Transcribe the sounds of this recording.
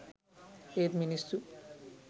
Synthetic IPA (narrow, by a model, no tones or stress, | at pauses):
eːt̪minisu